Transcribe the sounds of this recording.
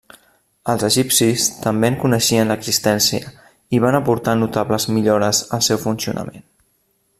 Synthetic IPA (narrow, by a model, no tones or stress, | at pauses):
əlˠzəʒipsist̪əmbeəŋkunəʃiənləɡzist̪ɛnsiə̰ | iβ̞anəpuɾt̪anut̪aβləzmiʎoɾəzəlˠsɛwfunsiṵnʔə̰men